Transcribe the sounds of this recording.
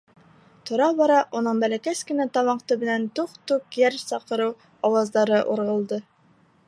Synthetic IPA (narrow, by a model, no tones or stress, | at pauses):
t̪ŏɾɑbɑɾɑʔunɤɴbælækæskɘ̆næt̪ɑwɑɴqt̪ɵbɘ̆nænt̪uqt̪ukjæɾsɑqɤ̆ɾɤw | ɑwɑzd̪ɑɾɤʔṵɾʁɤ̆lˠd̪ɤ